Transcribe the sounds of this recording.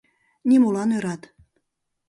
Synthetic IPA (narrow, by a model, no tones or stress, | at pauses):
nimolɑnøɾɑt̪